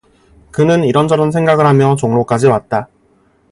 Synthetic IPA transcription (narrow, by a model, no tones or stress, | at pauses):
kɯnɯniɾʌnd͡ʑʌɾʌnsʰeŋɡaɡɯɭɦamjʌt͡ɕoŋnok͈ad͡ʑiwat̚t͈a